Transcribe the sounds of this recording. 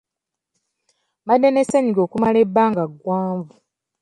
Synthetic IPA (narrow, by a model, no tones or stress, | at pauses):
madːeneseɲiɡo̞ːkumalebːaːŋɡaɡwaːɱvu